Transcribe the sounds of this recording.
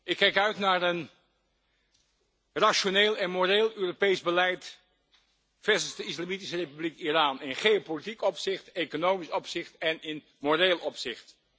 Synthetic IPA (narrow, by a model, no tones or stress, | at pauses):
ʔɪkːɛjkœɥtnaːɹən | raʃoneːlˠɛnmoreːlˠøːropejzbəlɛjt | fɛsənzdəɪslamitisərejpyblikiraːnɪnχeopolitikɔpsɪχtekonowmisɔpsɪχtɛnɪn | moreːlˠʔɔpsɪχt